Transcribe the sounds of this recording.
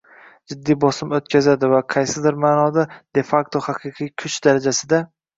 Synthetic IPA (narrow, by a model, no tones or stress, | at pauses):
d͡ʒɪd̪ːijbɒsɪmot̪kʲʰazad̪ɪvaqʰɑjsɪd̪ɪɾmaːnɒd̪ad̪̥e̞fakt̪ʰohɑqʰɨqʰɨjkʲʰʊt͡ʃd̪aɾad͡ʒasɪd̪a